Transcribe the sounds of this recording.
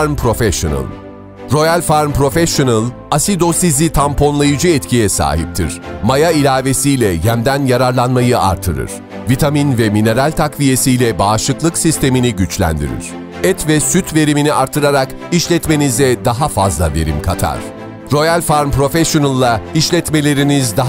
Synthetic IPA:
ɾmpʰɾo̞fɛʃo̰na̰lˠ | ɾo̞jalʲfaɾmpɾo̞fɛʃonalˠ | asid̪o̞sizit̪ʰampʰo̞nlˠajɯd͡ʒɯɛt̪cʰijɛsa̰ːɦip̚t̪ʰḭɾ̥majailʲaːve̞sijlʲɛjæmd̪ænjaɾaɾlˠanmajɯa̰ɾt̪ʰːɯɾɯ̰ɾ̥ | vit̪ʰaminvɛmine̞ɾalʲt̪ʰakvije̞sijlʲɛbaːʃɯklˠɯksist̪e̞miniɟyt͡ʃlʲæ̰nd̪ḭɾḭɾ̥ | ɛt̪vɛsyt̪ʰve̞ɾiminiaɾt̪ʰːɯɾaɾak | iʃlʲɛt̪me̞nizd̪ɛd̪aɦafazlˠa̰ve̞̰ɾḭmkʰat̪ʰa̰ɾ̥ | ɾo̞jalʲfaɾmpɾo̞fɛsjonalˠːaiʃlʲɛt̪me̞lʲe̞ɾinizd̪aɦ

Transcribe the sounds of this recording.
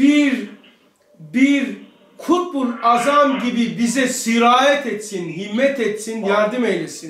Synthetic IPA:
biɾ | biɾ | kʰupɾazamɟibibizɛsiɾaːjɛt̪ʰet̪sinɦimːɛt̪ʰɛt̪sinjaɾd̪ɯmejlesin

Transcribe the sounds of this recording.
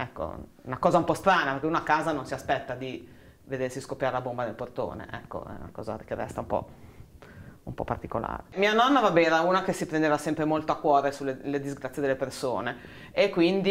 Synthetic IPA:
ɛkːo̰ṵnakɔːzaumpɔst̪ɾaːnapeɾrkeunoakːaːzanonsiaspɛt̪ːad̪i | ved̪ersiskopːjaɾelabombad̪elport̪o̰ːnḛʔɛ̰kːo̰ɛ̰na̰kɔ̰ːza̰kerːɛ̰st̪aumpɔ̰ | umpɔ̰pːart̪ikola̰ːɾemiːanɔnːavabɛnɛɾauːnakesipɾend̪eːvasɛmpɾemolt̪oakːwɔːɾesulːelːed̪izɡɾat̪sːjed̪elːepersoːne | ekːwind̪i

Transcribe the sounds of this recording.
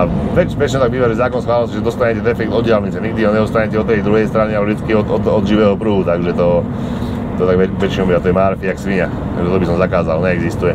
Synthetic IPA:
aʋɛt͡ʃʋɛt͡ʃnɛt̪aɡ̚biːʋaʒɛzaːkɔnsxʋaːlɔsiʒɛd̪ɔst̪aɲɛcɛd̪ɛfɛk̚t̪ɔd̪ɟɪalɲit͡sɛɲiɡ̚d̪iɦɔɲɛust̪aɲɛcɛɔt̪ːɛjd̪ɾuɦɛjst̪ɾanialɛvʒd̪it͡skiɔt̪ɔd̪ɔd̪ʒiʋɛːɦɔpɾuɦut̪aɡʒɛt̪ɔ | ɔt̪aɡɛʋɛt͡ʃinɔbiːat̪ɔjɛmaːɾfiaksʋiɲa | t̪a̰ɡʒt̪ɔt̪ɔbisɔmzakaːzalɲɛɛɡzist̪ujɛ

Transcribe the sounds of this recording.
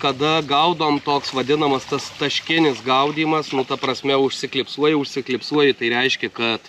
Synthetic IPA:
kɐd̪ɐɡɐʊd̪oːmt̪oːksʋɐd̪ʲɪnɐmɐst̪ɐst̪ɐʃʲkʲɪnʲɪsɡɐʊd̪ʲiːmɐsnʊt̪ɐpɾɐsʲmʲɛʊʃʲsʲɪklʲɪpsuɔjɪʊʃʲsʲɪklʲɪpsuɔjɪt̪ɐɪɾʲɛɪʃʲkʲɛkɐt̪

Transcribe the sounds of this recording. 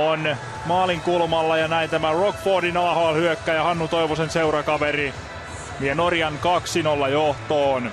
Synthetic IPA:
on | mɑːliŋkulmɑlːɑjɑnæint̪æmærokb̥oːdinɑːhoɑlhyøkːæjɑhɑnːut̪oiʋosenseurɑkɑʋeri | mienorjɑnkɑksinolːɑjoht̪oːn

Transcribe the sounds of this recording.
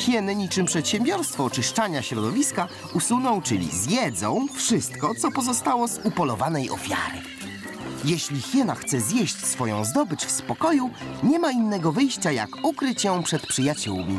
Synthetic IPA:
xʲjɛnɘɲit͡ʂɘmpʂɛt̪ɕɛmbʲjɔɾst̪fɔːt͡ʂɘʂt͡ʂaɲaɕɾɔd̪ɔvʲiska | usunɔ̃w̃t͡ʂɘlʲḭzjɛd̪zɔ̰̃w̃fʂɘst̪kɔt̪sɔpɔzɔst̪awɔzupɔlɔvanɛjʔɔ̰fʲja̰ɾɘ̰ | jɛɕlʲixʲjɛnaxt̪sɛzʲjɛɕt͡ɕsfɔjɔ̰̃w̃zd̪ɔbɘt͡ɕfspɔkɔju | ɲɛmainːɛɡɔvɘjɕt͡ɕaja̰kukɾɘt͡ɕjɔ̃w̃pʂɛt̪pʂɘjat͡ɕṵwmʲḭ

